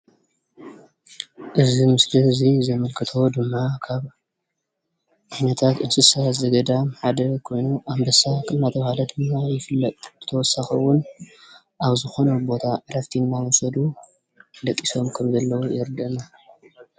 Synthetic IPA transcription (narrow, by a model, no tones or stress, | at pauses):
ʔɨzimɨslizizɐmɐlkʰɨt̪ʰo̞d̪ɨmːakʰaβ | anɐt̪ʰat̪ɨnsɨsazɐɡɐd̪amħad̪ɐkʰo̞jnuʔambɐsakʼɨdnat̪ʰɐβahalɐd̪ɨmːajɪfɨlːɐt̪ʼb̥ɨt̪ʰɐwɔsːaxɐwːʊn | ʔaβzɨxo̞nɐbo̞t̪ʰaɾɐft̪ʰinːawɔsɐd̪u | d̪ɐkʼːiso̞mkʰɐmzɐlːɐwujɪɾd̪ɐɨnːa